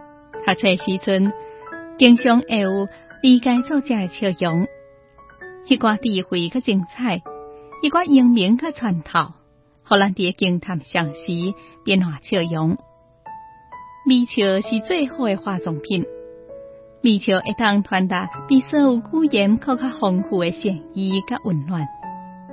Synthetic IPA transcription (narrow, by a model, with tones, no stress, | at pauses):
ha˨t͡sʰe˧˩˧ɕi˧˦t͡sʰu˧nki˧ŋɕjɔ˧ŋʔe˧˩u˧˩li˧ka˧jt͡sɔ˥˧t͡ɕja˧e˧t͡ɕʰə˧jɔ˨˦ŋ | hi˧kwa˧t̪i˧˩hwiː˨˦ka˥˩t͡ɕi˧ŋt͡sʰa˥˧˨jhi˧kwa˧ʔi˧əŋbi˨˧˦ŋka˦˥t͡sʰwa˨˩nt̪ʰa˨˩˨w | hɔ˨˧˩la˧˦nt̪i˨e˧˦ki˧əŋt̪ʰa˨˩mɕa˨˧˩ŋɕiː˨˦pi˧˦nhwa˨˩t͡ɕʰjə˧˨jɔ˨˦ŋ | bi˧˩t͡ɕʰə˧˩ɕi˨t͡swe˥˧hɔ˧e˧xwaː˧˩t͡sɔ˨˩ŋpʰi˧˩˨n | biː˧˩t͡ɕʰə˨˩ʔe˨˧˩t̪a˥˧˨ŋt̪ʰwa˧nt̪a˨˩pi˧˩sə˧u˧kuː˧˦je˨˦mkʰa˥˧˨ka˧˥hɔ˧ŋhuː˧˩e˧ɕɛ˧˩ŋi˧ka˦˧ʔu˨˩nlwa˧n